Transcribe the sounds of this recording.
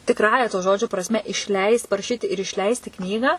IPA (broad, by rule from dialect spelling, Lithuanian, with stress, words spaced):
tʲɪkˈrɑːjɛ toː ˈʒoːd͡ʒʲoː prɐsʲˈmʲɛ ɪʃʲˈlʲɛɪst pɐrɐˈʃʲiːtʲɪ ɪr ɪʃʲˈlʲɛɪsʲtʲɪ ˈknʲiːɡɑː